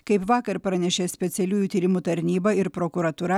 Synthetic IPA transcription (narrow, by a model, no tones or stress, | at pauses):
kɐɪpʋɑːkɐɾpɾɐnʲɛʃʲeːsʲpʲɛt̪sʲɛlʲuːjut̪ʲiːɾʲɪmuːt̪ɐɾʲnʲiːbɐɪɾpɾoːkuɾɐt̪uːɾɐ